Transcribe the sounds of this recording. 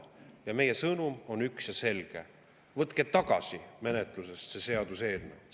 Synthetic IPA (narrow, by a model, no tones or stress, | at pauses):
jɑme̞je̞sɤnumo̞nyksjɑse̞lɡ̥e̞̰ | vɤt̪ˑket̪ɑɡ̥ɑ̰sʲime̞net̪ˑluse̞st̪sese̞ɑd̪̥use̞ːlnḛ